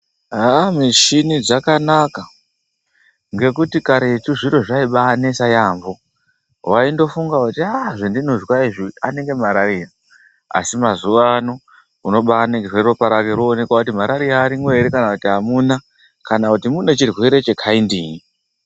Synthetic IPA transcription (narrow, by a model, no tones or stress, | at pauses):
ɦamiʃinid͡zakanaka | ŋɡe̞kutikaɾetuʐiɾo̞ʐaiɓanesajaːmbo̞ | waindo̞fuŋɡakutiaʐendino̞zwaiʐiane̞ŋɡe̞maɾaɾia | a̰simazuʋano | uno̞ɓaːneŋɡerweropaɾakeɾoːne̞kwakutimaɾaɾijaːɾimwe̞ɾekanakutiɦamuna | kanakutimune̞t͡ʃirwe̞ɾe̞t͡ʃe̞kʰaindiːi